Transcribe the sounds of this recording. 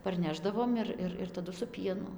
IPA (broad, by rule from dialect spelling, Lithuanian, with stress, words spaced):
pɐrʲˈnʲæːʒdɐʋoːm ɪr ˈɪr ɪr tɐˈdʊ sʊ ˈpʲiɛnʊ